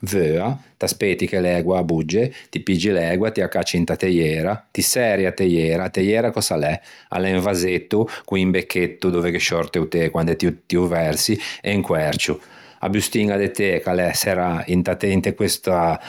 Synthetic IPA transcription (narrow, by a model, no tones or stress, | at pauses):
vøːat̪aspet̪ikelɛːɡwabud͡ʒːet̪ipid͡ʒilɛːɡwat̪iakːat͡ʃːint̪at̪ejɛːɾat̪isɛɾjat̪ejɛːɾat̪ejɛːɾakɔsalɛa̰lɛɱvazet̪ːukuimbekʰːet̪ːud̪oːvekeʃɔɾt̪eut̪ekwand̪ɛt̪ut̪iuvɛɾsieŋkwɛɾt͡ʃu | a̰bust̪iŋɡad̪et̪ekalɛsɛɾaint̪at̪eint̪ekwest̪a